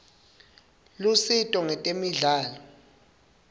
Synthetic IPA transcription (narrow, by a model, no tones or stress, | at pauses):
lusitʼɔŋɛtʼemiɮaːlɔ